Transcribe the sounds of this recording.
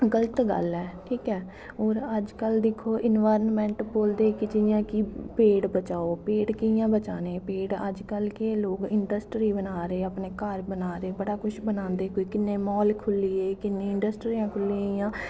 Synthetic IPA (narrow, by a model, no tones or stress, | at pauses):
ɡələt̪ɡə̰lɛːʈʰiːkɛː | oːɾəd͡ʒkəld̪ɪkʰːoːʔɪnʋaːɾənmɛ̃ːɳʈboːld̪eːkɪd͡ʒɪjãːkiːpeːɽbət͡ʃaːoːpeːɽkɪjãːbət͡ʃaːneːpeːɽə̰d͡ʒkəlkɪloːkɪɳɖəsʈɾiːbənaːɾeeːəpneːkəɾbənaːɾeːbəɽaːkʊʃʰbənãːnd̪eːɦoːiːkɪnːeːmɔːlkʰʊliːeːkɪnːẽːɪɳɖəsʈɾiːãːkʰʊlijãː